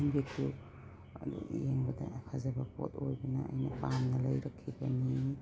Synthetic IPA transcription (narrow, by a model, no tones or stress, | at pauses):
nbekʰu | jeŋbɐdɐ̰kʰazɐbɐpʰo̰tʰojbɐnɐɐ̰jnɐpamnɐlɐjɾɐkʰːibɐni